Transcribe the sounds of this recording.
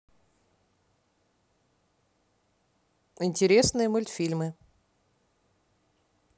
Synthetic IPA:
ɪnʲtʲɪɾʲesnɨjəmʊlʲt̪fʲilʲmɨ

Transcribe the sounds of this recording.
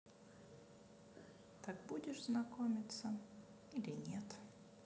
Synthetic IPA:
t̪akbudʲɪʂznɐkomʲɪt̪sə | ilʲɪnʲet̪

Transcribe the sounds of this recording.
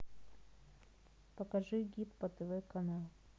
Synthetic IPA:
pəkɐʐɨɡʲipbət̪ɛvɛkɐnalˠ

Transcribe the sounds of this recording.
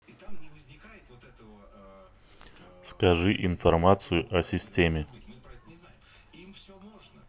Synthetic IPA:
skɐʐɨʔɪnfɐrmat̪sɨjʊʔɐsʲɪsʲtʲemʲɪ

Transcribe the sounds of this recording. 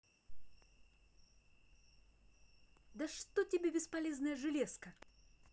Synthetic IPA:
d̪ɐʂt̪otʲɪbʲebʲɪspɐlʲeznəjəʐɨlʲeskə

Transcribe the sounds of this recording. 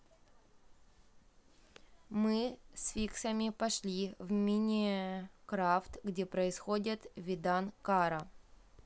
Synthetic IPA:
mɨsʲfʲiksɐmʲɪpɐʂlʲivmʲinʲɪkɾaft̪ɡdʲepɾəɪsxodʲɪt̪vʲɪd̪ankaɾɐ

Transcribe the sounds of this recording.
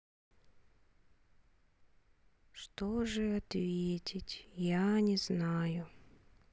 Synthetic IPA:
ʂt̪oʐɨɐt̪vʲetʲɪtʲjanʲɪznajʊ

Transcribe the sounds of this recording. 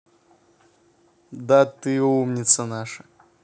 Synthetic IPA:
d̪at̪ɨumnʲit̪sɐnaʂɐ̥

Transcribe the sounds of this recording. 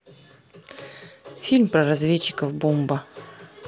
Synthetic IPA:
fʲilʲmpɾəɾazvʲet͡ɕːɪ̥kəvbombə

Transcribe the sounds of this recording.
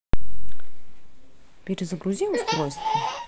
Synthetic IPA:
pʲeɾʲɪzəɡɾʊzʲimʊst̪ɾo̞jst̪vʲə

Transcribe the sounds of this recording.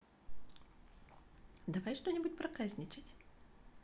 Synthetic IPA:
d̪ɐvajʂt̪o̞nʲɪbʊt̚ʲpɾɐkazʲnʲɪt͡ɕɪtʲ

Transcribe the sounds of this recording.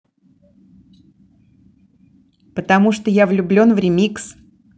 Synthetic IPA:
pət̪ɐmuʂt̪ojavlʲʊblʲo̞nvɾʲɪmʲiks

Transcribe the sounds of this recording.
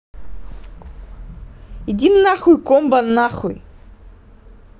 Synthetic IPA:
idinːaχujkʷʼombanːaχuj

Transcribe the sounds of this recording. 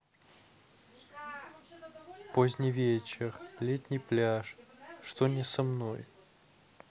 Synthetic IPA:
pozʲnʲɪvʲet͡ɕɪrlʲet̪ʲnʲɪjplʲaʂʂt̪onʲɪsɐmnoj

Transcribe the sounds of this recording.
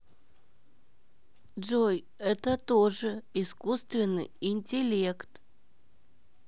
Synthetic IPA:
d͡ʒoj | ɛt̪ət̪oʐɨiskust̪vʲɪnːɨ̰jɪnʲtʲɪlʲekt̪

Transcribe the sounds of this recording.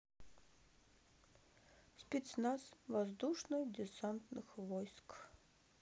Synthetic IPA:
sʲpʲɪt̪snasvazd̪uʂnɨdʲɪsant̪nɨxvɔjsk

